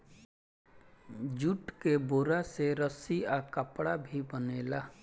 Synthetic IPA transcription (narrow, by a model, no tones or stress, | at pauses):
d͡ʒuʈkeboːɾaseɾəsiakəpɽabʱibəneːlaː